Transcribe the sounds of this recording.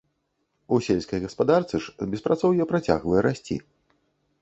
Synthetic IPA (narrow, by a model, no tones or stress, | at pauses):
usʲelʲskɐjɣɐspad̪art̪sɨʂbʲɛspɾat̪sɔwjɛpɾat͡sʲa̰ɣvɐjɛɾasʲt͡sʲḭ